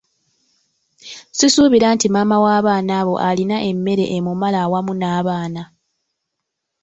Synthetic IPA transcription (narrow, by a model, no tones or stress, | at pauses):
sisuːβiɾaːntimamawaːβaːnaːβo̞̰ʔalinaʔe̞mːe̞ɾe̞̰ʔemumalawamunaːβaːna